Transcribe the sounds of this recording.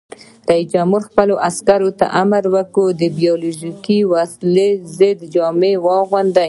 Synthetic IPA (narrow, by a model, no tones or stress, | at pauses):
ɾaisd͡ʒamuɾxpəloʔaskaɾot̪a̰ʔamaɾwəkod̪əbijɑluʒikiwaslezəd̪d͡ʒɑmewɑɣwand̪a